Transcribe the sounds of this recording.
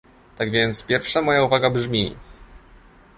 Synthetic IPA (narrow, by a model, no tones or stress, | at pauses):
t̪aɡvʲjɛnt̪spʲjɛɾfʂamɔjauvaɡabʐmʲi